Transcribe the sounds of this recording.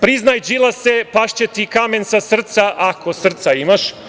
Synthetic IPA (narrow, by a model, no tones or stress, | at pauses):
pɾiznajd͡ʒilˠasepaʃt͡ɕet̪ikame̞nsasr̩t̪saʔakosr̩t̪saimaʃ